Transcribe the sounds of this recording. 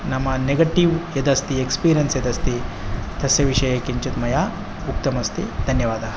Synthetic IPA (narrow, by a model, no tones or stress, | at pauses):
nɐmːɐneɡɐʈiʋjɐd̪ɐst̪iekspiːɾijɐnsjɐd̪ɐst̪i | t̪ʰɐsjɐʋiʂɐjɐkiɲt͡ʃut̪mɐjaː | uk̚t̪ɐmɐst̪id̪ʱɐnjɐʋaːd̪ʱɐ